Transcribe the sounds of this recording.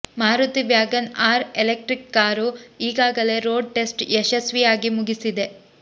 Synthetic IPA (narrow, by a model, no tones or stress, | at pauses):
maːɾut̪iʋjaːɡɐnaːɾelek̚ʈɾikːaːɾuiːɡaːɡɐle̞ɾoːɖ̚ʈe̞sʈeʃɐsʋijaːɡimuɡisid̪e̞